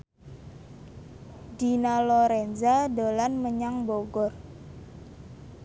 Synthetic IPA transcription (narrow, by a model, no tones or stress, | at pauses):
dinalɔɾɛnzadolanməɲaŋboɡɔr